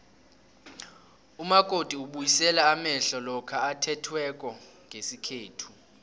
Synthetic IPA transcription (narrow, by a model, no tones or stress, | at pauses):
umakʼod̥ʱʼiuɓujisɛlaːmɛɬɔlɔkʰaatʰɛtʰwɛkʼɔŋɡʱesikʰeːtʰu